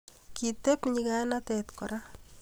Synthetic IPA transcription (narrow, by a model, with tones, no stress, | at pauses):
ki˨t̪e˦pɲika˦na˦tɛt̪kɔ˨ɾa˦